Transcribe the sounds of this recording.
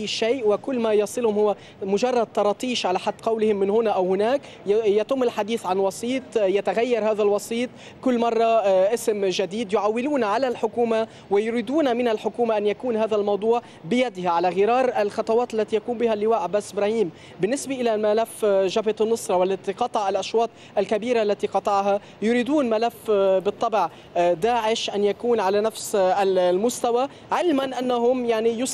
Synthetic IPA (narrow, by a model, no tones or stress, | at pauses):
ʔajːʃeːʔwɪkʊlːmajɑsˤɨlhʊmhʊwːa | mʊʒɑrˤːɑd̪̚t̪ɑɾˤɑːt̪ˤiːʃʕalaħad̪ːqɑwlɪhɪmːɪnhʊnaʔawhʊnaːk | jat̪ʊmːɪlħad̪iːθʕanwɑsˤiːt̪ˤjat̪aɣajːɑɾˤhaːðalwɑsˤiːt̪ˤ | kʊlːmɑrˤːɑʔɪsmʒad̪iːd̪jʊʕawːɪluːnʕalalħʊkuːma | wɪjʊɾiːd̪uːnamɪnalħʊkuːmaʔanjakuːnhaːðalmɑwd̪ˤuːʕ | bɪjad̪ɪhaʕalaɣɪɾɑːɾˤʔalxɑt̪ˤɑwɑːt̪alːat̪ijakuːmbɪhalːɪwaːʔabːaːsʔɪbɾaːhiːm | bɪnːɪsbaʔɪlamalafʒabɪt̪nːɨsˤɾˤɑwalːat̪iqɑt̪ˤɑʕalʔɑʃwɑːt̪ˤʔalkabiːɾaʔalːat̪iqɑt̪ˤɑʕɦa | jʊɾiːd̪uːnmalafbɨt̪ˤːɑbʕ | d̪aːʕɪʃʔanjakuːnʕalanafsamʊst̪awa | ʕɪlmanʔanːaɦʊmjaʕnijʊs